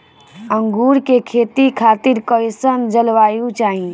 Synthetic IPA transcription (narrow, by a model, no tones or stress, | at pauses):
əŋɡuɾkekʰet̪ikʰat̪iɾkəjsənd͡ʒəlʋaːjũt͡ʃaːɦi